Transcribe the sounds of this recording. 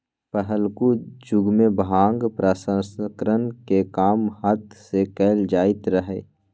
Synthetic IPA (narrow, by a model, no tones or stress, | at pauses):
pəɦəlkud͡ʒʊɡmẽbɦãːŋɡpɾasə̃skɾənkekaːmhət̪sekɛːld͡ʒaːɪt̪ɾəɦeː